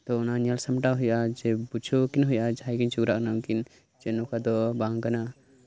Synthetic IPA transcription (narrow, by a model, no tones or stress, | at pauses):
t̪ɔɔnaɲalsamʈaɦujʔad͡ʒɛbut͡ʃʰokinɦujʔad͡ʒaɦajkint͡ʃuɡɾaʔnamkin | d͡ʒɛnɔkad̪ɔbaŋkana